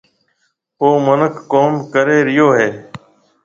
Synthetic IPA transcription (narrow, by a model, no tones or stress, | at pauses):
oːmənəkʰːoːmkəɾeːɾɪjoːɦeː